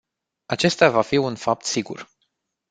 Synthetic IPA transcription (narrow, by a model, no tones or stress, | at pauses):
at͡ʃe̞st̪eavafiunfap̚t̪siɡṵr